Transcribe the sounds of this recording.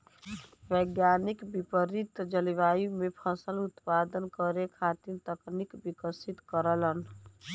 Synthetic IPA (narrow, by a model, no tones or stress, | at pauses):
ʋɛːɡjaːnikbipəɾit̪d͡ʒəliʋaːjumẽpʰəsəlʊt̪paːd̪ənkəɾekʰaːt̪iɾt̪əknikbikəsit̪kəɾələn